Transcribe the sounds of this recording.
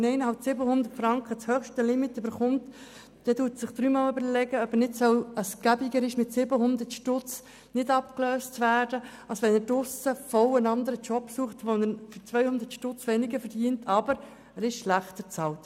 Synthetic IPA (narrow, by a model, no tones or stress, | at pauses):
nɛɪnəhɑlpsɪbəhʊnd̪əɾtfɾɑŋkχət͡shœχʃtəlɪmɪtːyb̥əɾχʊmt | d̥ɛduːətsɪχd̪̥ɾyːmɑlʏbəɾlɛɡəœbənɪtsɔʊəsɡ̥æbɪɡəɾɪʃmɪtsɪbəɦʊnd̪əɾtʃtʊt͡s | nɪdɑpkløːstt͡sʋæːrd̥ə | ɑlsʋɛnədʊsəfɔwənɑnd̪əɾət͡ʃɔpsuːχtʋonəfyt͡sʋœʏhʊnd̪ətʃtʊt͡sʋɛnɪɡəfəɾd̥iəntʰɑbəɾ | əɾɪʃʃlæχt̪əɾt͡sɑːlt